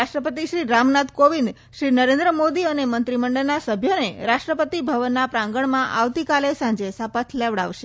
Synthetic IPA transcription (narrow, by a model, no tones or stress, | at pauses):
aʃʈɾəpət̪iʃɾiɾamnat̪koʋind̪ | ʃɾinəɾẽnd̪ɾəmod̪iənemənt̪ɾiməɳɖəlnasəbʱjoneɾaʃʈɾəpət̪ibʱəʋənːapɾãŋɡəɳmãʔa̰ʋt̪ikalesãɲd͡ʒesəpət̪ʰleʋɽa̰ʋʃe